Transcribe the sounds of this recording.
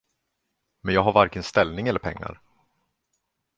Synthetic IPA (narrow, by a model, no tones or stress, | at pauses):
mɛnjɑːɡɦaɾvaɾkənst̪ɛlnɪŋɛlːəɾpʰɛŋːa̰ɾ